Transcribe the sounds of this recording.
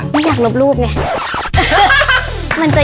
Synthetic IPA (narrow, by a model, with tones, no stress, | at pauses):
ma˥˨jaː˨˩k̚lo˧˩p̚luː˥˩p̬̚na˧˩kʰa̰˦˥˩ | ma˧˨nt͡ɕa˨˩